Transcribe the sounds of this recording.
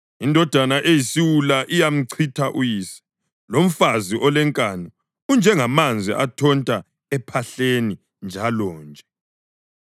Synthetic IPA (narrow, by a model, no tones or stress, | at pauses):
indʱɔd̥ʱanaʔejisiwulaʔijam̩ǀʰitʰaʔujiːsɛ̥ | lom̩faziʔɔlɛŋkʼanɔ | und͡ʒʱɛŋamand͡zʱḭʔatʰɔntʼa | ɛpʰaɬeni | nd͡ʒʱalɔːnd͡ʒʱɛ